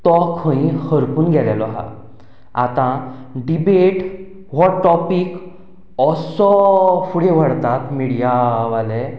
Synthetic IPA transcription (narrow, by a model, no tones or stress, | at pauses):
t̪ɔkʰːə̃ĩhəɾpuːnɡʱɛɾjalɔɦa̰ | a̰t̪ã | ɖibeʈ | ʋɔʈɔpik | ɔsɔfuɽ̤eʋ̤əɽt̪at̪miɽijaʋalɛ